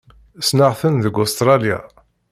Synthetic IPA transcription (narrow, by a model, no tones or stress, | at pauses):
snaʁθənðəɡʊst̪ɾˤɑlja̰